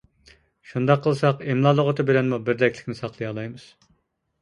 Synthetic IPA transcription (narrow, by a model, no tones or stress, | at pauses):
ʃund̪ɑqʰːəlˠsɑqemlˠɑːlˠəʁət̪ʰɨbɪlɛnmubɪɾd̪ɛkʲʰlʲɪ̥kʲnɪsɑqlˠɨjɑlˠɑjmɨz̥